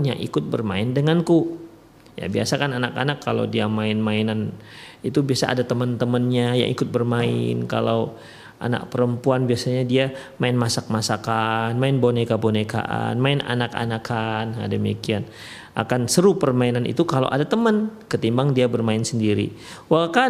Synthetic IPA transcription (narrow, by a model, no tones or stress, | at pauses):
nja̰ŋʔḭkʊt̪̚bərmaɪndəŋanku | ja̰bia̰sakananaka̰nakʰːala̰wdiamaɪnmaɪnanit̪ubiasa̰ʔa̰dat̪əmənt̪əmənɲaja̰ŋʔḭkʊt̪̚bərmaɪ̰nka̰law | a̰na̰k̚pəɾəmpuanbiasaɲadiamaɪnmasak̚masakanmaɪnbonekaboneka̰ʔa̰nmaɪnʔa̰naka̰nakana̰dəmikian | ʔa̰kansəɾupərmainanʔḭt̪ukala̰wʔadat̪əmənkət̪imbaŋdiabərmaɪnsəndiɾḭ | waka